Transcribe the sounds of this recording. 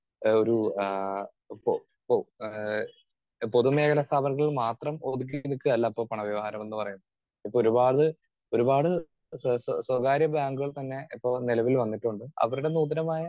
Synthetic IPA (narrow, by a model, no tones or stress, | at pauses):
oɾu | po | p | po̞ðume̞ːkʰɐlɐst̪ʰaːbɐnɣɐɭiɭmaːt̪rɐmoðuk̬ːinikʲːɨɐlːɐipːoːpɐɳɐʋjɐʋɐhaːɾɐme̞nːɨpɐrɐjunːɐð | ipːooɾubaːɽɨ | o̞ɾubaːɽɨ | sswɐɡaːɾjɐbaːŋɡuɣɐɭt̪ɐnːe̞ipːo̞ːnilɐʋilʋɐnːiʈːuɳɖɨɐ̰ʋɐɾuɽe̞nuːd̪ɐɾɐmaːjɐ